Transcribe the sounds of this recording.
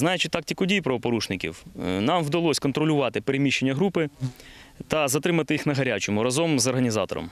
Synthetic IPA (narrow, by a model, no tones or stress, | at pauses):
znɑjet͡ʃɪt̪ːɑk̚tʲikʊdʲijpɾɐʋɔpɔɾuʃnɪkʲḭwnɑmwd̪ɐlˠɔsʲkɔnt̪ɾɔlʲʊʋɑt̪ɪpeɾemʲiʃːenʲːɐɦɾupɪ | t̪ɐzɐt̪ɾɪmɐt̪ɪjixnɐɦɐɾʲat͡ʃɔmʊɾɐzɔmzɐrɦɐnʲizɑ̰t̪ɔ̰ɾɔ̰m